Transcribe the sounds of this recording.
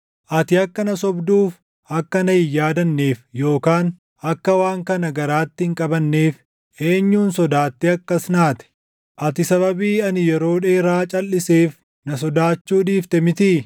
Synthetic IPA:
ʔɐt̪ɪɐkːɐnɐsɔbd̪uːf | ɐkːɐnɐhɪjaːd̪ɐnːe̞ːfjo̞ːkaːn | ɐkːɐwaːŋkɐnɐɡɐɾaːt̪ːɪɪŋkʼɐbɐnːeːf | ʔe̞ːɲːuːnsɔd̪aːt̪ːɪɐkːɐsnaːt̪ɛ̥ | ʔɐt̪ɪsɐβɐbiːɐnɪjɛɾo̞ːᶑeːɾaːt͡ʃʼɐlːɪseːf | nɐs̬ɔd̪aːt͡ʃːuːᶑiːft̪ɛmɪt̪i

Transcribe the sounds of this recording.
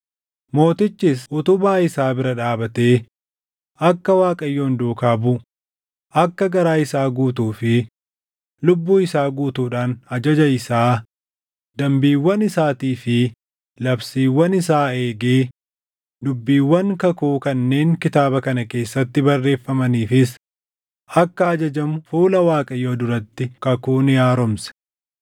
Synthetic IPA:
mo̞ːt̪ɪt͡ʃːɪsʊt̪ʊbaːɪsaːbɪɾɐᶑaːbɐt̪e̞ː | ʔɐkːɐwaːkʼɐjːo̞ːnd̪uːkaːbʊ | ʔɐkːɐɡɐɾaːɪsaːɡuːt̪̬uːfɪ | lʊbːuːɪsaːɡuːt̪uːᶑaːnɐd͡ʒɐd͡ʒɐɪsaː | d̪ɐmbiːwːɐnɪsaːt̪iːfɪ | lɐbsiːwːɐnɪsaːe̞ːɡeː | d̪ʊbːiːwːɐŋkɐkuːkɐnːe̞ːŋkɪt̪aːbɐkɐnɐke̞ːsːɐt̪ːɪbɐrːe̞ːfːɐmɐniːfɪs | ʔɐkːɐɐd͡ʒɐd͡ʒɐmfuːlɐwaːkʼɐjo̞ːd̪ʊɾɐt̪ːɪkɐkuːnjaːɾɔmsɛ̥

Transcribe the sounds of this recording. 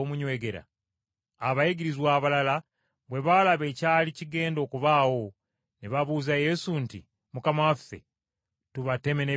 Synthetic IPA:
omuɲwe̞ːɡe̞ɾa̰ː | βajiɡiɾizwaːβalala | βwe̞βalaβe̞caːliciɡe̞ːndo̞ːkuβaːwo̞ | niβaβuːzaje̞suntḭ | mukamawafe̞̰ | tuβate̞me̞ne

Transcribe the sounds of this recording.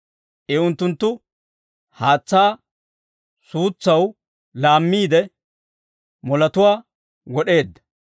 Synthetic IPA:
ʔɪʊnt̪ːʊnt̪ːʊ | haːt͡sːaː | suːt͡sːɐw | laːmːiːd̪ɛ | mɔlɐt̪ʊwaː | wɔɗe̞ːd̪ːɐ

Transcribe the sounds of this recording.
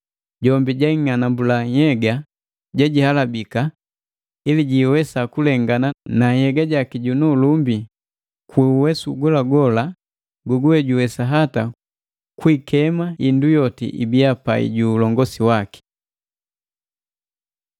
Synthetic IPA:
ɟɔmbiɟaiŋanambulahɛɡa | ɟaɟihalabika | iliɟiwɛsakulɛŋɡananahɛɡaɟakiɟunulumbi | kwɛuwɛsuɡɔlaɡɔla | ɡɔɡuɛɟuwɛsaɦata | kwikɛmaindujɔtḭʔḭbiapa̰ḭɟuːlɔŋɡɔsiwaki̥

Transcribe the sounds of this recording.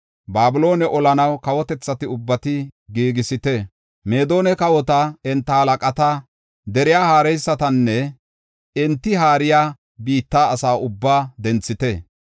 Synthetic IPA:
baːbʊlo̞ːnɛʔɔlɐnɐwkɐwɔt̪ɛt͡sːɐt̪ɪʊbːɐt̪ɪɡiːɡɪsɪt̪ɛ | meːd̪o̞ːnɛkɐwɔt̪ɐɛnt̪ːɐhɐlɐkʼɐt̪ɐ | d̪ɛɾɪjaːhaːɾɛjsːɐt̪ɐnːɛ | ɛnt̪ːɪɦaːɾɪjaː | biːt̪ːaːsaːʊbːaːd̪ɛnt͡sːɪt̪ɛ

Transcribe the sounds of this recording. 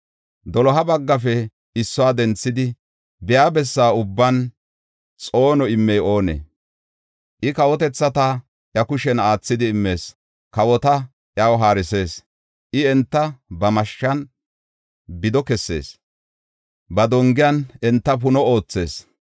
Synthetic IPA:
d̪ɔlɔɦɐbɐɡːɐfɛ | ɪsːɔwaːd̪ɛnt͡sːɪd̪ɪ | bɪjaːbɛsːaːʊbːɐn | t͡sʼo̞ːnɔɪmːɛjo̞ːnḛ | ʔɪkɐwɔt̪ɛt͡sːɐt̪ɐ | ʔjɐkʊʃɛnaːt͡sːɪd̪ɪːmːe̞ːs | kɐwɔt̪ɐ | ʔjawɦaːɾɪse̞ːs | ʔɪɛnt̪ːɐbɐmɐʃːɐn | bɪd̪ɔkɛsːe̞̰ːs | bɐd̪ɔŋɡɪjɐnɛnt̪ːɐp̬ʊnɔo̞ːt͡sːe̞ːs

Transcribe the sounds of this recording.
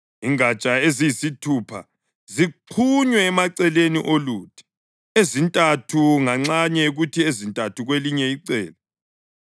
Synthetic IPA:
iŋat͡ʃʼaezijisitʰupʰa | ziǃʰuɲwɛːmaǀɛlenḭʔoluːtʰʼi̥ | ezintʼatʰuŋaŋ͡ǁaɲɛuɣutʰiezintʼatʰuɣweliɲɛiǀɛːla

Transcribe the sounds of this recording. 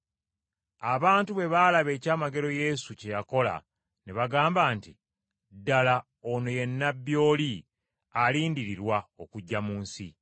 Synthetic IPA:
aβaːntuβe̞βalaβe̞ːcaːmaɡe̞ɾo̞je̞ːsuce̞jako̞la̰ | neβaɡaːmbaːntḭ | dala | ono̞je̞nːabjo̞ːli | aliːndiɾiɾwao̞kuɟːamuːnsḭ

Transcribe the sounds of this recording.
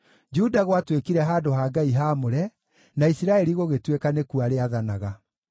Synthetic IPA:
d͡ʒudaɣwatwekiɾɛɦaːdoɦaːɡaiɦaːmoɾɛ | naisiɾaɛɾiɣoɣetwekanekuaɾeaðanaɣa

